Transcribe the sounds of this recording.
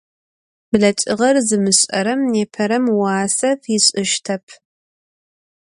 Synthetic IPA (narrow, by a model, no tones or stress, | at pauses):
b̥ɮɐt͡ʃʼɪʁɐrzɨmɨɕʼɐ̰ɾɐmneːpʰɐɾɐmwaːsɐfiɪɕʼɨʃtʰɐpʰ